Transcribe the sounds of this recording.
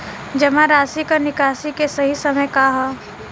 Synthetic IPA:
d͡ʒɐmãɾaːsikanɪkaːsikesɐɦisɐməjkaɦɛ

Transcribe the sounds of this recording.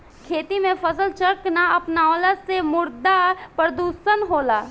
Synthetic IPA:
kʰeːt̪imẽfəsəlt͡ʃəɾknaɐpnaɔːlasemʊɾd̪apɾɾəd̪uːʃənɦoːlaː

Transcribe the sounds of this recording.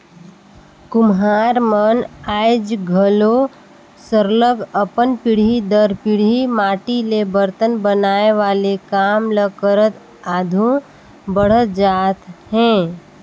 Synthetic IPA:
kʊmɦaːɾmənaːjd͡ʒɡʱəlo | səɾləɡəpənpɪɽ̤id̪əɾpɪɽ̤imaːʈilebəɾt̪ənbənaːeʋaːlekaːmləkəɾət̪ | aːd̪ʱũ | bəɽ̤ət̪d͡ʒaːt̪ɦɛ̃ː

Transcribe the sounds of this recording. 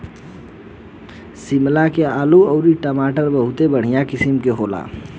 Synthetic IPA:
simlakeaːluəʊɾiʈəmaʈəɾbəɦut̪ebəɽ̤ijakisimkeɦola̰

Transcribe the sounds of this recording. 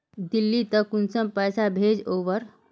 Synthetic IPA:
d̪ilːit̪əkːunsəmpəjsabʱeːd͡ʒoːʋəɾ

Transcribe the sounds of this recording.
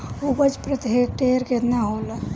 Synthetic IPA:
obəd͡ʒpɾət̪eːk̚ʈeɾket̪naɦola

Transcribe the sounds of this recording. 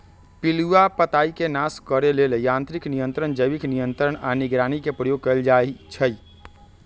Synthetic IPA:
piluapət̪aikenaskəɾelelejãnt̪ɾiknijənt̪ɾənd͡ʒəjbiknijənt̪ɾəɳ̃aniɡɾanikepɾəjoɡ̚kəld͡ʒait͡ʃʰəj

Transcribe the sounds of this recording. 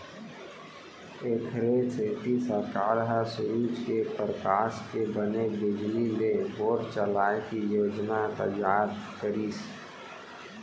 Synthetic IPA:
eːkʰɾet͡ʃʰeːt̪isəɾkaːɾəɦəsʊɾuːd͡ʒkepɾəkaːʃkebənebɪd͡ʒlineboːɾt͡ʃəlaːekijoːd͡ʒnat̪ə̰d͡ʒaːd̪kəɾiːs

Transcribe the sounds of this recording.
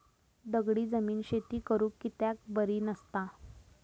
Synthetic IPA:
d̪əɡɽiːd͡zəmiːnɕet̪iːkəɾuːkːit̪jak̚bəɾiːnəst̪a

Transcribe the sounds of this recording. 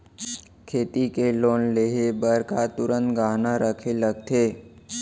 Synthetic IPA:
kʰeːt̪ikeloːnleɦebəɾkat̪ʊɾə̃nt̪ɡaːnaɾʔəkʰeləɡ̚t̪ʰeː

